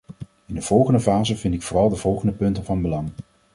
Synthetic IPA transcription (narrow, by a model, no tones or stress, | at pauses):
ɪndəv̥ɔlˠχəndəvaːzəvɪntɪkfoːrɑlˠdəv̥ɔlˠχəndəpɵntəvɑnbəlɑŋ